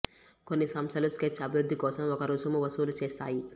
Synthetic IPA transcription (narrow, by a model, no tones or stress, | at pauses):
konːisɐmst̪ʰɐlusket͡ʃʰːɐbʱiʋɾud̪ʱːikɔːsɐmokɐɾoːd͡ʒɐmuʋɐsuːlut͡ʃeːst̪a̰ːji